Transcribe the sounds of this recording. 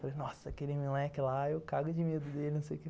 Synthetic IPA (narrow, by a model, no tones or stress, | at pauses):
falejnɔsɐkelɪmilɛkɪlaewkaɡʊd͡ʒɪmed̪ʊd̪elɪnɐ̃w̃sejʊke